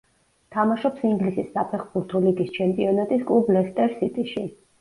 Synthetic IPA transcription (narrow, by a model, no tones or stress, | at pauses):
t̪ʰamaʃɔpsiŋɡlisisːapʰɛχbuɾt̪ʰɔliɡist͡ʃʰɛmpʼiɔnat̪ʼiskʼublɛst̪ʼɛɾsit̪ʼiʃi